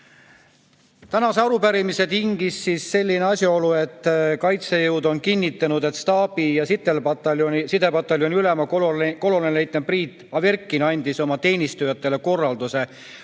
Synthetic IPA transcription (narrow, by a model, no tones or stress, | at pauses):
t̪ænɑseɑɾupæɾimise̞t̪iŋɡ̥isːisːe̞lʲːineɑsʲjɑo̞lue̞t̪ːˑkɑjt̪sejɤwd̪̥o̞nkinʲːit̪ːˑɑnud̪̥e̞t̪st̪ɑːbijɑsit̪ːelpɑt̪sid̪epɑt̪ːˑɑljo̞niylemɑkko̞lolenlejt̪ːˑempriːt̪ːˑɑverkˑːinɑnʲd̪̥iso̞mɑt̪e̞ːnʲist̪ujɑt̪ːˑe̞le̞ko̞rːɑld̪use̞